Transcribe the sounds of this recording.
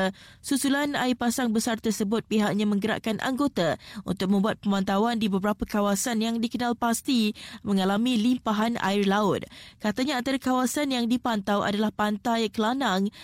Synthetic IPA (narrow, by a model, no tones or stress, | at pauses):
susulana̰ipasaŋbəsart̪ərsəbʊt̪̚piɦaʔ̚ɲãmə̃ŋɡəɾa̰ʔkanʔa̰ŋɡot̪aṵnt̪ʊk̚mə̃mbuat̪̚pəmãnt̪awandibəbəɾapəkawasanjaŋdikənãlpast̪imə̃ŋalamĩlimpaɦana̰ɪrlaʊt̪̚kat̪aɲaant̪aɾakawasanjaŋdipant̪awa̰dalahpant̪ajkəlanaŋ